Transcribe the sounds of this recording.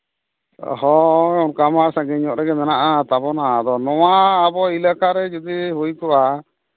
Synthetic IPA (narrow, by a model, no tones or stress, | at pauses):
ɦɔɔnkamasaɡɛɲɔʔɾɛɡɛmɛnaʔat̪abɔnad̪ɔnɔwaːbɔilakaɾɛd͡ʒɔd̪iɦujkɔa